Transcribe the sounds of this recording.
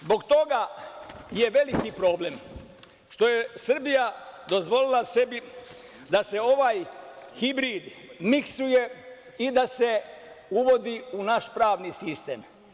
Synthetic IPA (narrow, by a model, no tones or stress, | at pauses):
zbo̞ɡt̪o̞ɡa | jeʋe̞likipɾo̞ːblem | ʃt̪o̞je̞sr̩bijad̪o̞zʋo̞lilase̞bi | d̪ase̞o̞ʋaːjhibɾiːd̪miksuje̞ | id̪ase̞ | uʋo̞d̪iunaʃpɾaːʋnisist̪ḛːm